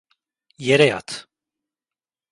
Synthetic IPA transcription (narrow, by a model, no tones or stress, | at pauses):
jɛɾɛja̰t̪ʰ